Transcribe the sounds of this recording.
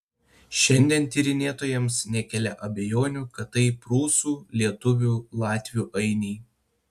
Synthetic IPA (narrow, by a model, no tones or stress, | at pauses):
ʃʲɛnʲd̪ʲiɛnt̪ʲiːɾʲɪnʲeːt̪oːjɛmsnʲɛkʲɛlʲɛʔɐbʲɛjoːnʲuːkɐt̪ːɐɪpɾuːsuːlʲiɛt̪ʊʋʲuːlˠɑːt̪ʲʋʲuːʔɐɪnʲiː